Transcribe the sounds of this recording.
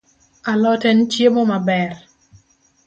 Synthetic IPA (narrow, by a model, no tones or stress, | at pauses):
alɔtɛnt͡ʃjemomabɛr